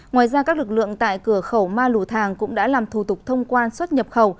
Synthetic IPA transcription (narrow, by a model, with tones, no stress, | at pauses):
ŋwaː˨˩jzaː˧kaː˦˥k̚lɨ˨˩k̚lɨ̰˧˨əŋt̪a̰ː˧˨jkɨ˧˩əxə˧˩wmaː˧lu˧˩t̪ʰaː˨˩ŋkʊ̰˧˥ŋ͡mɗa̰ː˧˥laː˨˩mt̪ʰu˨˧˩t̪ʊ˨˩k͡p̚t̪ʰə˧wŋ͡mkwaː˧nswə˦˥t̚ɲə˨˩p̚xə˧˩w